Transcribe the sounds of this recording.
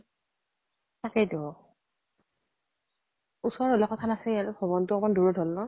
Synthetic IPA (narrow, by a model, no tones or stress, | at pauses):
sakɛdɔ | usɔɹɔlɔkɔtʰanasɛijalbʱɔβɔntʊɔmɔnduɹɔdʱɔlnɔ